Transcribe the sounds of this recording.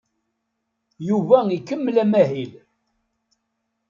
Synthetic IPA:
juvæikːəmːlæmæɦil

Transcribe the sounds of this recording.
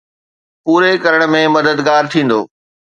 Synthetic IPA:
puːɾekɐɾəɽ̃̆mẽmɐd̪əd̪ɡaːɾt̪ʰĩːn̆d̪o̰ː

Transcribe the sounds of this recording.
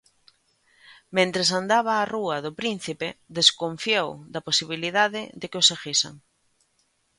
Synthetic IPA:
mẽnt̪ɾes̬and̪aβaːruɐðʊpɾin̟θipeðeskoɱfjowd̪ɐposiβ̞iliðaðɪðɪkɪoseɣisa̰ŋ

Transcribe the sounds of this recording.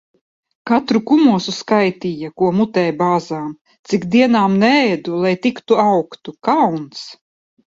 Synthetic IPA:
kat̪ɾukumuɔsuskajt̪iːjakuɔmut̪ɛjbaːzaːm | t̪sikd̪iɛnaːmnɛd̪ulˠajt̪ikt̪uawkt̪ukawns

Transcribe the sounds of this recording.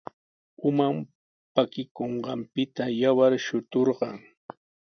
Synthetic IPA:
ʊmam | pakɪkoɴɢɑmpɪt̪ajawaɾʃʊt̪oɾɢɑŋ

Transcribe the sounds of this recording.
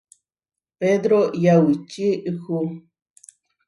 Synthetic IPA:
ped̪ɾojawit͡ʃiʔxu

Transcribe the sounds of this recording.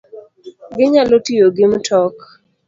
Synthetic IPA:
ɡɪɲalotijoɡɪmtʰɔk

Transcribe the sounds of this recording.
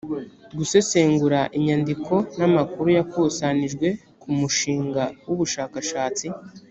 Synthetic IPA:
ɡuse̞se̞ːŋɡuɾaʔiɲandikʰo̞namakuɾujakusaniʒɡwe̞ | kumuʃiːŋɡawuβuʃaːkaʃaːt͡si

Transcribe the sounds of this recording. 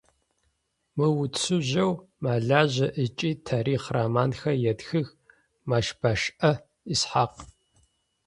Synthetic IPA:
mɨwʊtsʰɨʑɐw | maːɮaːʑɐʔət͡ʃʼiːtʰaɾiːχraːmaːnxɐjɛtxɨx | maːʃbʰaʃʔɐ | isħaːq

